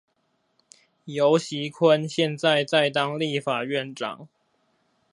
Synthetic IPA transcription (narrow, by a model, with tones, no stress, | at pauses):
jo˨˦ʊɕi˨˦kʰwə˦nɕjɛ˥˨nt͡sa˥˨ɪt͡sa˥˩ɪt̪ɑ˦ŋli˥˨fa˨˩ɥɛ˥˨nʈ͡ʂɑ̰˨˩˦ŋ